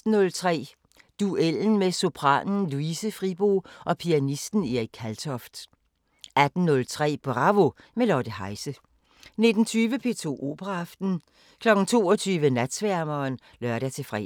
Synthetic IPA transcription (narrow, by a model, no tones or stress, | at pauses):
d̥n̩ːɔ̽lt͡sʰʁɛ̰ː | d̥uel̰n̩meso̝pʰʁɑ̰̈ːnn̩luisəfʁib̥o̝̰ːʔɒ̽pʰiænisd̥n̩eikʰælt͡sʰɒ̽fd̥ | æd̥n̩nɔ̽lt͡sʰʁɛ̰ːb̥ʁɑ̈ʋo̝melɒd̥əhɑ̈ɪsə | ne̝d̥n̩t͡sʰyːʋəpʰe̝̰ːt͡sʰo̝̰ːʔo̝̰ːb̥əʁɑːfd̥n̩ | kʰlɒ̽ɡ̥n̩t͡sʰo̝̰ːɒt͡sʰyːʋənæd̥sʋæɐ̰mɐːn | lɶɐɾæt͡sʰe̝fʁɛ̰